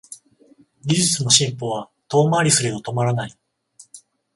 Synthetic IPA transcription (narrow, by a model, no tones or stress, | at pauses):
ɡʲiʑɨt͡sɨno̞ɕĩmpo̞βa | t̪o̞ːmaɾʲisɨɾʲeot̪o̞maɾanai